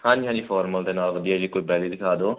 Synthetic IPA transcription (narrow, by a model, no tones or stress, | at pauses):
hãːd͡ʒɦãːd͡ʒiːpʰɔːɾməlt̪eːnaːkd̪iɛːd͡ʒiːkoːiːpɛːliːd̪ɪkʰaːd̪oː